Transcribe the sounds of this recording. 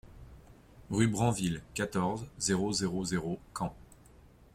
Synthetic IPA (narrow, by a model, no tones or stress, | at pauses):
ʁybʁɑ̃vilkat̪ɔʁzzeʁozeʁozeʁokʰɑ̃